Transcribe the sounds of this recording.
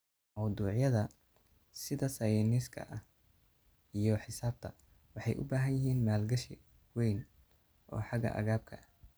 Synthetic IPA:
mɐwd̪uːʕjɐðɐ | sɪðɐsɐjɛnɪskʰɐ̰ʔɐ | ijɔħɪsaːb̚t̪ʰɐ | wɑħɑjʔʊ̰baːɦɐnjɪɦiːnmaːlɡɐʃɪ | wɛjn | ʔɔ̰ːħɑɡɐ̰ʔɐ̰ɣaːb̚kʰɐʔɐ

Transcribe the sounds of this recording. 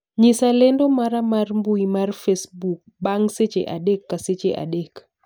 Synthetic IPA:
ɲɪsalɛndomaɾamarmbuimarfesbuk̚baŋset͡ʃḛʔa̰ɗɛkːaset͡ʃeʔa̰ɗek

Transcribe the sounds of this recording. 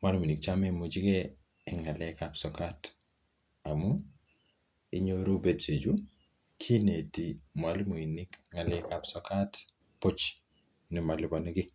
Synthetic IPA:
malmuinikt͡ʃamemud͡ʒiɡɛ | ɪŋalɛkapsɔkat | amu | iɲoɾubetsed͡ʒu | kʰinetimwalmuinikŋalɛkapsɔkat | pot͡ʃ | nimalɪbɔnɛɡi

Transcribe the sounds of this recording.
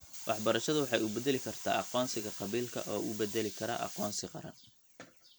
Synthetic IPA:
wʔɑħbɐɾɐʃɐðʊwɑħɑjʊbɛd̪ɛlɪkʰɐrt̪ʰa̰ːʔɑqɔːnsɪɣɐqɑβiːlkʰɐ̰ʔɔːʔʊbɛd̪ɛlɪkʰɐɾɐ̰ʔɑ̰qɔːnsɪqɑ̰ɾɐ̰n

